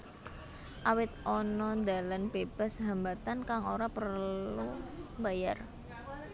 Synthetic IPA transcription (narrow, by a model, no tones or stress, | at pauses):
ʔawɪt̪̚ʔɔnɔnd̪a̤lanbeb̥a̤sɦambat̪ankaŋoɾapərlubajar